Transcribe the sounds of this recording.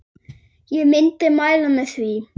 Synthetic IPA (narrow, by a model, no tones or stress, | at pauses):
jəmɛ̃nt̪̚əmaɪlɔ̃nəθɹiː